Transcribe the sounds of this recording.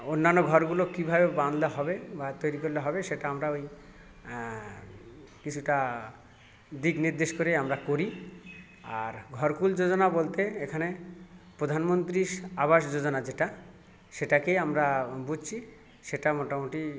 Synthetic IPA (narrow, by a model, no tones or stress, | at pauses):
onːanːoɡʱɔɾɡulokibʱabeband̪laɦɔbebat̪ojɾikoɾiloɦɔbeʃeʈaamɾaoj | kit͡ɕʰuʈa | d̪ikniɾd̪eʃkoɾeamɾakoɾi | aɾɡʱɔɾkuld͡ʑod͡ʑonabolt̪eekʰanepɾod̪ʱanmont̪ɾiʃabaʃd͡ʑod͡ʑonad͡ʑeʈa | ʃeʈakeamɾabud͡ʑt͡ɕʰi | ʃeʈamɔʈamuʈi